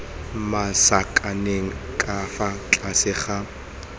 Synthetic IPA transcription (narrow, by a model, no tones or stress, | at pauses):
masakʼaneŋ̩kʼafat͡ɬʼasɪχa